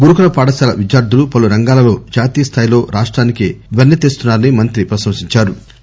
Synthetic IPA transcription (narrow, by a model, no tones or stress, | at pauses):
ɡuɾukulɐpaːɽɐsaːlɐʋid͡ʒjaːɾd̪ʱulupɐluɾɐŋɡaːlɐlo̞ːd͡ʒaːt̪iːjɐst̪ʰaːjilo̞ːɾʔaːʂʈɾaːnikḛʋɐnːɐt̪eːst̪unːaːɾɐnimɐnt̪ɾipɾɐʃɐmsiɲt͡ʃaːɾu